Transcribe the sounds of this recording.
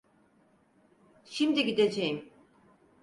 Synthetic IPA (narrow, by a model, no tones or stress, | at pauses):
ʃimd̪iɟid̪e̞d͡ʒejim